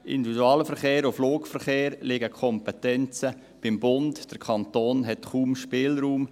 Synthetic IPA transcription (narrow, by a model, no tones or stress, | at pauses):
ɪ̰nd̪ividuɑːləfəɾχeːɾofloːkfəɾχeːɾlɪɡəkʰɔmpɛtɛnt͡sə | b̥ɪmbʊndd̥əɾkʰɑnt̪oːnɦɛtχuːmʃpɪːlɾuːm